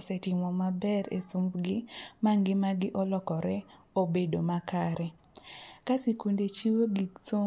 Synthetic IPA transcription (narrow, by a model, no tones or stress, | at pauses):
sɛtɪmɔmabɛɾḛsumbɡɪmaŋɡɪmaɡɪʔɔlɔkɔɾɛ | obedomakaɾɛ | kasikundet͡ʃiwoɡiso